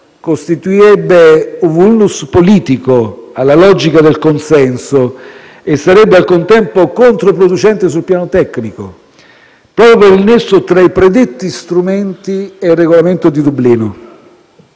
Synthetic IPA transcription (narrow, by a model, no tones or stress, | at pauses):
kost̪it̪uiɾɛbːeuvulːuspoliːt̪ikoalːalɔd͡ʒikad̪elkonsɛnso | esːaɾɛbːealkont̪ɛmpokont̪ɾop̬ɾod̪ut͡ʃɛnt̪es̬ulpjaːnot̪ɛkːniko | pɾɔːpjopeɾilnesːot̪ɾaipɾed̪et̪ːist̪ɾument̪ieilrːeɣolament̪od̪id̪ubːliːno